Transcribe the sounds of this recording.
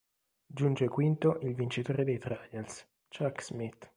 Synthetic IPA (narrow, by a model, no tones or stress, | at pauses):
d͡ʒund͡ʒekwint̪oʔilvint͡ʃit̪oːɾed̪ejt̪ɾajals | t͡ʃakz̥mit̪ː